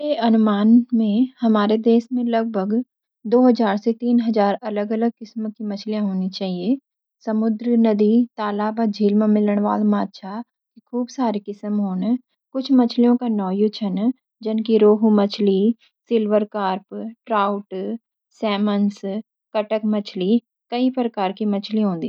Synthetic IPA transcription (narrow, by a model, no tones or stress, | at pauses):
eɐnʊmaːnmẽhɐmaːɾed̪eːʃmẽlɐɡ̚bʱəɡ | d̪oːɦəzaːɾset̪iːnɦɐzaːɾɐləɡələɡ̚kɪsmkimɐt͡ʃʰlijãɦoːnit͡ʃaːɦie | sɐmʊd̪ɾnɐd̪it̪aːlaːbɔd͡ʒʱiːlmãmɪləɽ̃ʋa̰ːlmaːd̪ʃʰa | kikʰuːbsaːɾiːkɪsəmɦoːn | kʊt͡ʃʰmət͡ʃʰlijõkanɔːjut͡ʃʰən | d͡ʒənkiɾoːɦumət͡ʃʰliː | sɪlʋəɾkaːɾpʈɾaːʊʈ | sɛːməns | kəʈəkmət͡ʃʰliː | kəipɾəkaːɾkimət͡ʃʰliɦõːnd̪iː